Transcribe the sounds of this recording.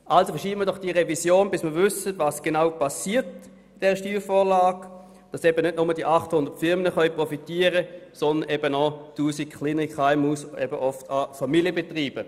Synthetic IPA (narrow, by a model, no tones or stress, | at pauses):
ʔalsofɛɐʃiːbməɐdɔχd̥iːʁɛvisjoːnbɪsməɐvʏsətvɑːsɡ̥enaʊpasiːt | ɪd̥ɛːʁəʃtyːfoːlaːɡ | d̥ɑsɛbənʏt̚nʊməd̥iəʔɑχthʊndətfɪʁmənəχœʏɥpʁɔfitiːəʁəsɔndənʔɛbənɔtuːsikχlinikaɪmuːsɛbəʔɔftʰɑfamiljəbetʁiːb̥ə